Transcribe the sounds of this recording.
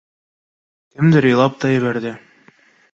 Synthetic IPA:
kɘmd̪ɘɾŏjlˠɑp̚t̪ɑjɘ̆βæɾd̪ɘ

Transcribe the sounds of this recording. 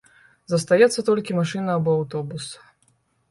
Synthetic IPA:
zɐst̪ajɛt̪sːɐt̪ɔlʲkʲimaʂɨnɐːbɔawt̪ɔbus

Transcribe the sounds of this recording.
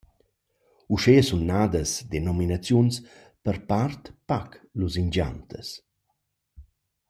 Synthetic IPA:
uʃeəsunːaːd̪əsd̪enɔminat͡sjuns | pəɾpart̪pakluzind͡ʒa̰nt̪ə̰s

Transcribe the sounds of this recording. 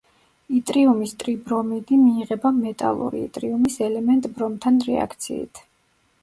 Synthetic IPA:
it̪ʼɾiumist̪ʼɾibɾɔmid̪imiːʁɛbamɛt̪ʼa̰lˠṵɾḭḭt̪ʼɾiumisɛlɛmɛnt̪ʼbɾɔmt̪ʰanɾɛa̰kʰt̪sʰḭːt̪ʰ

